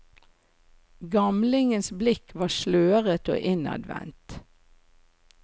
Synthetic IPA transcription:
ɡɑmlɪŋənsblɪkʰʋɑːʃløːʁət̪o̰ːʔɪnɑ̰d̪ʋɛ̰nt̪

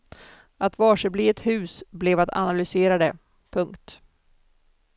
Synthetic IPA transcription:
at̪vɑːʂəbliːɛt̪hʉ̟ːsblɛvat̪ʰa̰nalʏseːɾad̪ɛ | pʰɵŋkt̪

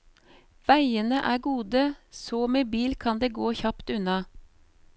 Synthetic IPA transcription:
ʋæɪənəʔæːɡuːd̪əsoːmeːbiːlkʰɑnd̪eːɡoːçɑpt̪ʉnɑ

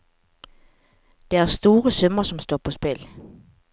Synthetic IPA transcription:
d̥eæɐsd̥o̝ːʁəsœmɐsɒ̽msd̥ɔ̰ːpʰɒ̽sb̥el

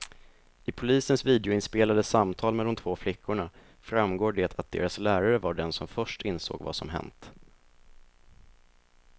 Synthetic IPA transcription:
ɪpʰʊliːsənsviːd̪ɛʊɪnspeːlad̪əsamt̪ʰɑːlmɛlːɔmt̪ʰv̥oːflɪkʰːʊɳa | fɾamɡoːɖeːt̪ʰat̪̚d̪̥ḛːɾaslæːɾaɾəvaɖɛnsɔmfœʂʈɪnso̰ːɡva̰sɔ̰mɦɛ̰nt̪

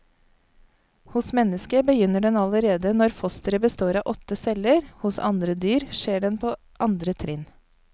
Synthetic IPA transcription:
hʊsmɛnəskəbəjʏnəɖɛnɑləɾeːd̪ənɔɾfɔst̪əɾəbəst̪oːɾɑːʔɔt̪əsɛləɾhʊsɑ̰nd̪ɾəd̪yːɾʃeːɖɛnpʰoː | ʔɑnd̪ɾət̪ʰɾɪn

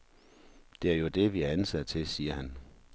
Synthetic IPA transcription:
d̥e̝æɐjo̝d̥e̝ʋiæɐænsæd̥t͡sʰe̝siːɐhæn

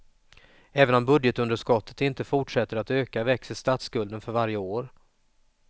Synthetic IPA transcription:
ɛːvənɔmbɵd̪jət̪ɵnd̪əʂkɔt̪ːə̥t̪ɪnt̪əfʊʈʂɛt̪ːəɾat̪øːkavɛksəst̪aːt̪skɵld̪ənfœɾvaɾjəoːɾ

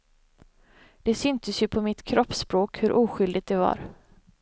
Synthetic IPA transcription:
d̪̥ɛsʏnt̪ʰəsjɵpʰɔmɪt̪kʰɾɔpːspɾoːkhɵɾʔuːɧʏld̪ɪɡ̚t̪̚d̪ɛvɑ̰ːɾ

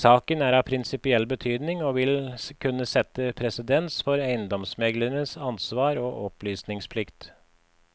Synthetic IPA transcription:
sɑːkənæːɾɑːpʰɾɪnsɪpɪɛlbət̪ʰyːd̪nɪŋoːʋɪlkʰʉnːəsɛt̪ːəpʰɾɛsəd̪ɛnsfɔɾæɪənd̪ɔmsmɛɡlənəsɑnsʋɑːɾoːʔɔplyːsnɪŋspʰlɪkt̪

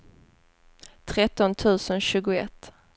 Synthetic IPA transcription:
t̪ʰɾɛt̪ːɔnt̪ʰʉ̟ːsənɕʉ̟ːɡʊɛ̰t̪ː

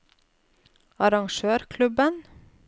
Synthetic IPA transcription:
ɑɾɑŋʃøːɾkʰlʉbən

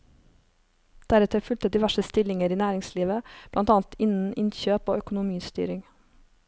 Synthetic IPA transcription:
d̪̥æɾɛt̪ʰəfʉlt̪əd̪iːʋæʃəst̪ɪlɪŋəɾiːnæːɾɪŋsliːʋəb̥lʔɑnt̪ɑːnt̪ɪnn̩ɪnçøːpo̰ːœkʊnʊmiːst̪y̰ːɾɪŋ

